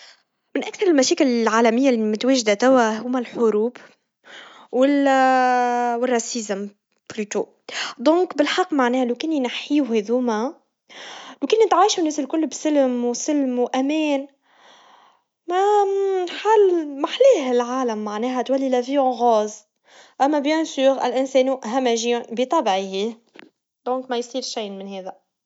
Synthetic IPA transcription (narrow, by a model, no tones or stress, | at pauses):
mɪnʔækθɑɾˤɪlmæʃɛːkɪlɪlʕaːlæmɪjːalmʊt̪wɛːʒd̪at̪æwæɦuːmælħʊɾuːb | wɪl | wɪrˤːɑsizm | b̥lyːt̪u | d̪ɔ̃ːkbɪlħɑqːmaʕnɛːhlokɪnːinaħːiːuhɛðuːmæ | lokɪnːinɪt̪ʕaːjʃunːɛːsɪlkʊlːbsɪlmwsɪlmwʔæmɛːn | mæ | ħaːlmaħlɛːɦɪlʕaːlæmːaʕnɛːɦæt̪wælːilæviːõɣɑːz | ʔæmːæbjɛ̃syːɾɪ̰lʔɪnsɛːnuʔɦæmæʒibit̪ˤɑbʕihi | d̪ɔ̃ːkmɛjsˤiːɾʃiːmɪnhɛːðæ